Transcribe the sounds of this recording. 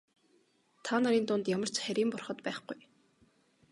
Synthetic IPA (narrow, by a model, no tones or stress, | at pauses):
t̪ʰaːnaɾiːnt̪ʊnt̪jamə̆r̥t͡ɕχæɾʲiːmpʊrχə̆t̪pæːχɡuj